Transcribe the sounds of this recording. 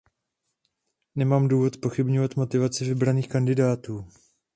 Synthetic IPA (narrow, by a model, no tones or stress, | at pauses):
nɛmaːmduːvo̞t̪spo̞xɪbɲovat̪mo̞t̪ɪvat͡sɪvɪbɾaniːxkandɪdaːt̪uː